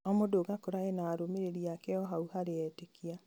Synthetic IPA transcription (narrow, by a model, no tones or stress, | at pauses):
ɔmodoɡakoɾaenaːɾomeɾeɾiakɛɔɦauhaɾeɛtekia